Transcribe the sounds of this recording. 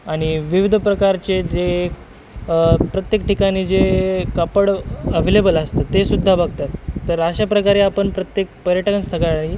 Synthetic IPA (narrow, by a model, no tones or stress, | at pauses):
aɽ̃iʋiʋid̪ʱpɾəkaɾt͡ɕed͡ze | pɾət̪jek̚ʈikaɽ̃iːd͡zekəpəɽəʋelebələst̪ət̪ːesud̪ʱːabaɡ̚t̪at̪ːəɾəɕapɾəkaɾeapəɳpɾət̪jek̚pəɾjəʈəənst̪ʰəɡaɭi